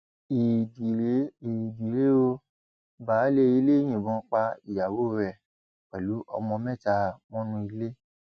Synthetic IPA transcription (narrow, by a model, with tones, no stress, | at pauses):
i˨di˨ɾe˨˦i˨di˨ɾe˨˦o˧ | ba˨˦le˧i˧˦le˦j̃ĩ˨bɔ̃˨˦k͡pa˧i˨ja˨wo˦˨ɾɛ˨ | k͡pɛ˨lu˨˦ʔɔ̰˧mɔ̃˧mɛ˦˨ta˧mɔ̃˦nũ˧i˧le˦